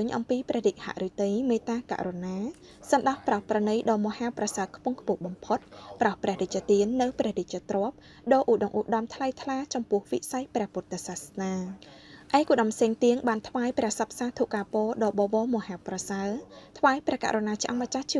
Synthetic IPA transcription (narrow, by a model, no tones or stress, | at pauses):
ɨːɲʔɑ̰mpiːprɛ̆əhriːc̚ha̰ʔrut̪ɨjmeːt̪aːka̰ʔronaː | sɑnɗɑhprɑhprɑnɨjɗɑːmŏəhaːprɑsaəkʰpuəŋkʰpŭəhɓɑmpʰot̪̚prɑhprɛ̆əhric̚t͡ɕiət̪iənːɨwprɛ̆əhric̚t͡ɕiət̪roəp̚ | ɗɑːʔuːʔɗɑŋʔuʔɗɑmt̪ʰlajt̪ʰlaːt͡ɕɑmpʊ̆əhʋisajprɛ̆əhpuət̪ːasasnaː | ʔaɛkuːɗɑmpʰseːŋt̪iəŋɓaːnt̪ʰʋaːjprɛ̆əhsɑp̚saːt̪ʰuːʔkaːpɔːɗɑːɓɑːʋɑːmŏhaːwprɑsaət̪ʰʋaːjprɛ̆əhka̰ʔronaːt͡ɕiʔɑ̰ŋmat͡ɕaht͡ɕi